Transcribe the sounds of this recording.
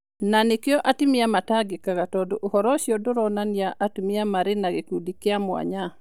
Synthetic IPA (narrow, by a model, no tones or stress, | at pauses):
nanɪkɪɔʔatimɪjamataɡɪkakatɔdʊʔuhɔɾɔʃjɔdʊɾɔnanijaʔatimɪamaɾɪnaɡekudikɪamwa̰ɲa